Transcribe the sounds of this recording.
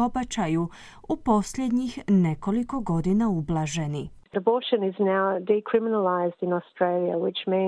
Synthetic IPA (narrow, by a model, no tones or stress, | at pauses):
obat͡ʃaju | upo̞sljed̪ɲixne̞ko̞liko̞ɡo̞d̪inaublˠaʒe̞niɾəboːˑʃə̃nɪznaʊdikʰɹ̥ɪmɪnəlaɪzdɪ̃nɔstɹ̥eɪlˠiə̰wɪt͡ʃmĩ